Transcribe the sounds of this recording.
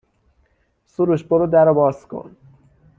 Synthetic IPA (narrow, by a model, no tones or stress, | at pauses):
suɾuʃboɾod̪æɾobɒːskʰo̰n